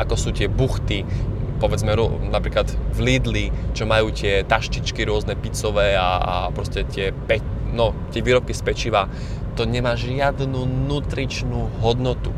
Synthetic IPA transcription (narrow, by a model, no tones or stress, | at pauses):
akɔsuːt̪ɪɛbuxt̪ipɔʋɛd͡zmɛɾɔnapɾiːklad̪vliːd̪lit͡ʃɔmajuːt̪ɪɛt̪aʃcit͡ʃkiɾʊɔznɛpit͡sɔʋɛːaa̰pɾɔscɛt̪ɪɛpɛnɔt̪ɪɛʋiːɾɔpkispɛt͡ʃiːʋa | t̪ɔɲɛmaːʒɪad̪nuːnut̪ɾit͡ʃnuːɦɔd̪nɔt̪u